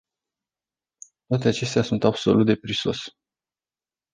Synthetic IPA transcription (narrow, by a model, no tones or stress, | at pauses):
t̪oat̪e̞at͡ʃe̞st̪easunt̪abso̞̰lut̪̚d̪e̞pɾiso̞s